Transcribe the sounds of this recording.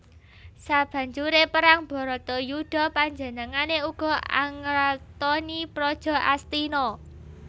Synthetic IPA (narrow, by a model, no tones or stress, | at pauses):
sab̥ä̤ɲd͡ʒuɾepəɾaŋb̥ɔ̤ɾɔt̪ɔjuɖ̥ɔ̤paɲd͡ʒə̤nəŋaneuɡ̥ɔ̤ʔa̰ŋɾat̪ɔnipɾɔd̥ʒ̥ɔ̤ʔa̰st̪inɔ